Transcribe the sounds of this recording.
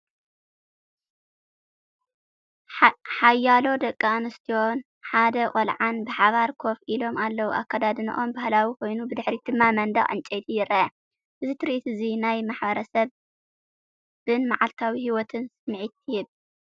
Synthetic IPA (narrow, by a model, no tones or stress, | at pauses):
ħajːalo̞d̪ɐkʼːanɨst̪ʰijo̞n | ħad̪ɐkʼolʕanbɨħaβaɾkʰo̞filo̞malːɐwuʔa̰kːad̪ad̪ɨnɨ̰ʔo̞mbahlawikʰo̞jnubɨd̪ɨħɾid̪̥ɨmːamɐnd̪ɐɣʼɨ̰nt͡ʃʼejt̪ʰijɪɾɐʔɐ | ʔɨzit̪ʰɨɾiʔit̪ɨzinajmaħbɐɾɐsɐβ | b̥ɨnmaʕalt̪ʰawihiwɔt̪ʰɨnsɨmʕit̪̚ːɪhɨβ